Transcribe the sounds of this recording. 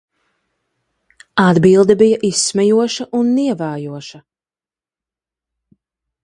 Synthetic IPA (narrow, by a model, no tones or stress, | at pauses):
ad̪bilˠd̪ɛbijɐʔisːmɛjuɔʃɐʔunːiɛvaːjuɔʃɐ